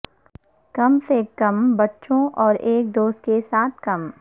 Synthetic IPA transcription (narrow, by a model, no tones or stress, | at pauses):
kɐmsekːɐmbɐtːʃõʔɔːɾeːk̚d̪oːst̪kesaːt̪̚ʰkɐm